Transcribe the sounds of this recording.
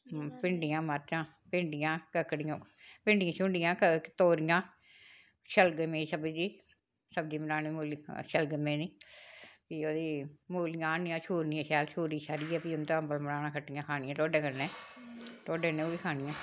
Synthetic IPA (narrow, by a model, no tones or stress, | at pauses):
pɪɳɖɪjãːməɾt͡ʃãː | pɪɳɖɪjãːkəkːɽɪjãː | pɪɳɖɪjãːʃʊɳɖɪjãːkət̪oːɾijãː | ʃəlɡəmẽːiːsəbd͡ʒiː | səb̚d͡ʒiːmənaːniːmuːlʃəlɡəmẽːniː | piːoːd̪iːmuːlɪjãːnĩãːʃuːɾniãːʃɛːlʃuːɾiːʃaɾiːɛːpiːʊnt̪ãəmbəlmənaːnãːkʰəʈːijãːkʰaːnɪjãːt̪oːɖẽːkəɾneː | t̪oːɖeːneːoːiːkʰaːnɪjãː